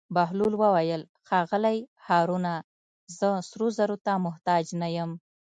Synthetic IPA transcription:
baɦlulwəwajəl | xɑɣəlajhɑɾuna | zəsɾuzaɾot̪amʊht̪ɑd͡ʒnajəm

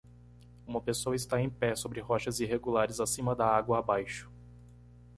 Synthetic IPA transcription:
ũmɐpesoɐɪst̪aẽj̃pɛsobɾɪɦɔʃɐziɦeɡulaɾɪzasĩmɐd̪ɐaɡwɐːbajʃʊ̥

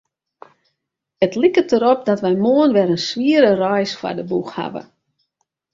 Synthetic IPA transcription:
ətlikətəɾop̚dɔtʋɛjmoənʋɛɾənsʋiəɾərɔjsfa̰dəbuxha̰ʋə̰

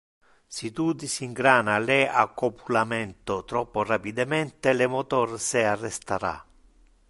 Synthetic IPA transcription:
sit̪ud̪isiŋɡɾaːnalɛakːopʰulamɛnt̪ot̪ɾɔpːorapid̪amɛnt̪elemot̪ɔrsɪarːɛst̪aɾa̰

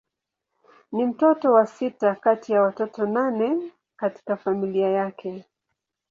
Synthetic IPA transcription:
nim̩tɔtɔwasitakatijawatɔtɔnanɛ | kati̥kafamiliajakʰɛ

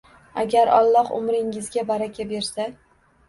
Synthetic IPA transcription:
a̰ɡʲaɾɒ̰lˠːɒhʊ̰mɾɪŋɪzɡʲabaɾakʲabeɾsa

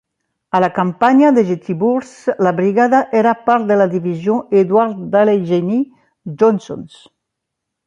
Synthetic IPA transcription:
alakampaɲaðeʒet̪iβuɾslabɾiɣaðaʔeɾapaɾd̪elaðiβizjoʔed̪waɾt̪d̪aleʒeni | d͡ʒɔnso̰ns

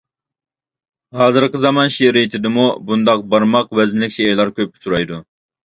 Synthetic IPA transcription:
hɑːzɨɾqəzɑmɑnʃeɾijt̪ʰɪd̪ɪmubund̪ɑq̚bɑɾmɑqwɛznɪlɪkʲt͡ʃʰejlˠɑɾkʲʰøp̚kʲʰɪ̥suɾɑjd̪u

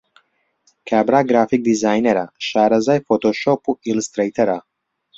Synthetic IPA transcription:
kʰabɾaɡɾafik̚d̪izaːjneɾaʃaɾazajfot̪oʃopuilst̪ɾejt̪eɾa

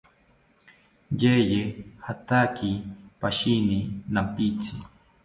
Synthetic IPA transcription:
jejehat̪akipaʃininampit͡si

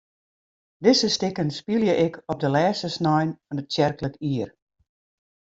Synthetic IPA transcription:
dɪsəstɪkənspiljəʔɪkʰɔp̚dəlɛːstəsnɔjnfɔnətsɛrkləkiər

